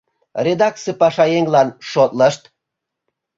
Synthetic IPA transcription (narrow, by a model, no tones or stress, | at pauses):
rʲed̪ɑk̚t͡sɨpɑʃɑjeŋlɑnʃot̪ləʃt̪̚